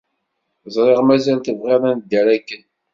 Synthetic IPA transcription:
zˤɾˤeʁmæzælt̪əvʁeɾˤænd̪ːəɾækːən

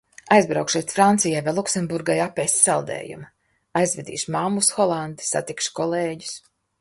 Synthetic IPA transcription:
ajzbɾawkʃɛjt̪fɾant̪sijajvajlˠuksɛmbuɾɡajapːɛjssalˠd̪ɛ̰ːjṵm | ajzvɛd̪ḭːʃmamːusxɔlˠand̪i̥sa̰t̪ikʃkɔlˠeːɟu̥s

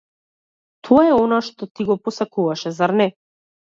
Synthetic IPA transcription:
t̪ʰɔaɛɔnaʃt̪ɔt̪iɡɔpɔsakuvaʃɛzaɾnɛ

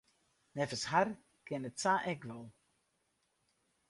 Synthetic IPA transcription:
nɛfəshar | kɪnətsaːʔɛkʋɔlˠ

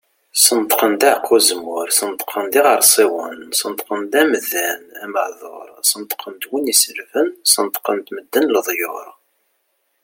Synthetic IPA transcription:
sənt̪ˤqənd̪aʕqʰːuzmʊɾsənt̪qʰənd̪iʁəɾˤsˤiwənsənt̪qənd̪æmðænæməʕðˤo̰ɾˤsənt̪qʰənd̪winisəlfənsənt̪qənt̪məd̪ːənləðˤjʊɾˤ

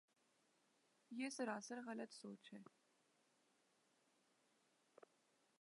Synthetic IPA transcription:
jeːsəɾaːsəɾɣɐlət̪soːt͡ʃʰhɛ

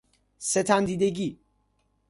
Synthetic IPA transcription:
set̪ʰænd̪iːd̪eɡiː

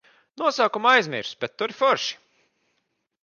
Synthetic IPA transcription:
nuɔsaːkumajzmḭɾsb̥ʲɛt̪ːuɾifɔɾʃi̥

